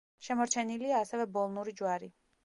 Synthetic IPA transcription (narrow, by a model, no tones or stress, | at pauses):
ʃɛmɔɾt͡ʃʰɛniliaːsɛvɛbɔlˠnuɾid͡ʒwaɾi